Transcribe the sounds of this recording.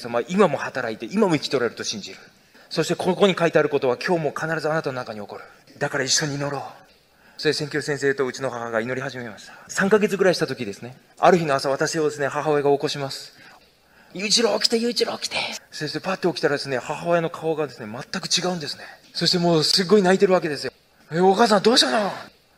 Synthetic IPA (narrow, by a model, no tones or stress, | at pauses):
samaʔimamo̞hat̪aɾait̪e̞ʔimamo̞ikʲi̥t̪oɾaeɾɯ̟t̪oɕĩɲ̟d͡ʑiɾɯ̟ | so̞ɕi̥t̪e̞ko̞nokokoɲ̟ikait̪eaɾɯ̟ko̞t̪o̞β̞akʲʰo̞ːmo̞kʰanaɾazɨanat̪ano̞nakaɲ̟io̞ko̞ɾɯ̟ | d̪akaɾaiɕːo̞ɲ̟iːno̞ɾo̞ː | tesẽŋkʲo̞sẽseːt̪o̞ɯ̟t͡ɕino̞hahaɡaino̞ɾʲihaʑime̞maɕi̥t̪ḁsãŋkaɡe̞t͡sɨɡɯ̟ɾaiɕi̥t̪at̪o̞kʲid̪e̞sɨne̞ | a̰ɾɯ̟çino̞asaβ̞at̪aɕiod̪e̞sɨne̞haɦaoeɡaoko̞ɕimasɨ̥ | jɯ̟ːt͡ɕiɾoːkʲi̥t̪e̞jɯːt͡ɕiɾoːkʲi̥t̪esest̪epat̪ːe̞okʲi̥t̪aɾad̪e̞sɨne̞hahaeno̞kʰao̞ɡad̪e̞sɨne̞mat̪ːakɯ̟̥t͡ɕiɡaɯ̟nd̪e̞sɨ̥ne̞so̞ɕi̥t̪e̞mo̞ːsɨɡːoinait̪e̞ɾɯ̟βak̬e̞d̪e̞sɨjo̞ | eːokaːs̬ãnd̪o̞ːɕit̪ano